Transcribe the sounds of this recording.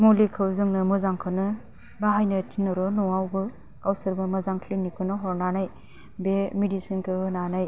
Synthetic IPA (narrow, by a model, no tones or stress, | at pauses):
mulikʰɯwzɯŋnɯmɯzaŋkʰɯnɯ | baɦajnɯtʰinɔɾɔnuŋawbɯ | kawsɯɾbɯmɯzaŋkʰlinikʰɯnɯɦɔɾnanaj | bemidisinkʰɯɯnanaj